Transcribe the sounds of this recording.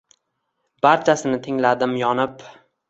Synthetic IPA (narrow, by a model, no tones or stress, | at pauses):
b̥aɾt͡ʃʰasɪnɪt̪ʰɪŋlad̪ɪmjɒnɪp